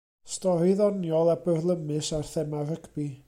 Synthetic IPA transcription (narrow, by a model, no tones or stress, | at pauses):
stɔɾiðɔnjɔlˠabərlˠəmɨsarθɛmarəkʰb̥i